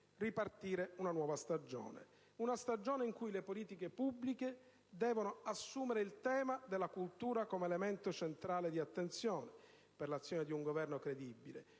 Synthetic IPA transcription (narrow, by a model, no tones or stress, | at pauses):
ripart̪iːɾeunanwɔːvast̪ad͡ʒo̰ːnḛ | unast̪ad͡ʒɔːneiŋkujlepoliːt̪ikepubːlike | d̪ɛːvonoasːuːmeɾeilt̪ɛːmad̪elːakult̪uːɾakomeːlement̪ot͡ʃent̪ɾaːled̪iat̪ːent̪sjɔːne | perlat̪sːjɔːned̪iuŋɡovɛrnokɾed̪ibːilḛ